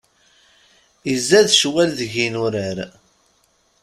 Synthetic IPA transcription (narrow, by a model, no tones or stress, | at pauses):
izːæðʃwælðəʝinʊɾəɾ